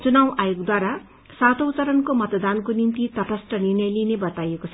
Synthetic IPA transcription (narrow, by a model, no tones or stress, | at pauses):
t͡sunawʔajoɡd̪waɾa | sat̪out͡sʌɾʌnkomʌt̪d̪ankonint̪it̪ʌrʌsʈʌnirnʌjlinebʌt̪ajekot͡sʰʌ